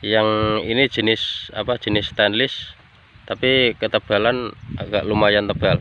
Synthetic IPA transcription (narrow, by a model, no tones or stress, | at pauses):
jaŋini̥ʒ̥ə̤nɪsa̰pad̥ʒ̥ə̤nɪst̪anlɪs | t̪apikət̪əb̥a̤lana̰ɡaʔlumajant̪əb̥al